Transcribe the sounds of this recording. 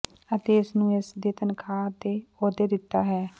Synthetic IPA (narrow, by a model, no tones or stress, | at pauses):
ət̪eːɪsnũːɪsd̪eːt̪ənkʰaːt̪eːoːd̪eːd̪ɪt̪ːaːɦɛː